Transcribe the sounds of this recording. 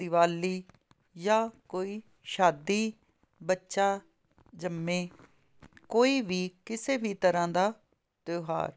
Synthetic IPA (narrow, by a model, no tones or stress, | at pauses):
ɪʋaːliː | jaːkoːiː | ʃaːd̪iː | bətːʃaː | d͡ʒəmːẽː | koːiːʋiːkɪseːbiːt̪əɾãːd̪aː | t̪oːɦa̰ːɾ